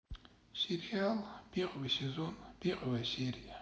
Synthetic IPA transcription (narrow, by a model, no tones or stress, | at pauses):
siɾialb̥iqʼwisezonb̥iqʼwasiɾija